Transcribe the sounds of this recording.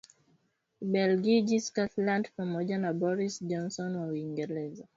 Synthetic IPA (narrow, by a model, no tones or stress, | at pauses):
bɛlɡid͡ʒiskatlãndfɹɔ̃mɔd͡ʒanabɔɹisd͡ʒɔ̃nsɔ̃nwɔwĩŋɡɛlɛza